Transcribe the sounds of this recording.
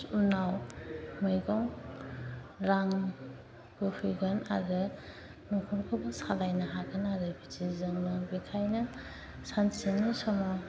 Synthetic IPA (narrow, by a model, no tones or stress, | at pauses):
unawmɯjɡɔŋ | ɾaŋ | ɡɯpʰɯjɡɯna̰ɾɯ | nɔkʰɔnkʰɯbɯsalajnɐɦaɡɯnaɾɯbitizɯŋnɯbikʰajnɯ | sansinisɔma